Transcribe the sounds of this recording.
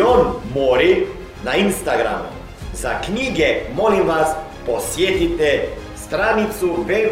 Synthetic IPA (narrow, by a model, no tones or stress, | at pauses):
onmoɾi | nainst̪aɡɾa̰mṵ | zakɲiːɡɛmolimʋas | posjeːt̪it̪ɛ | st̪ɾanit̪suʋel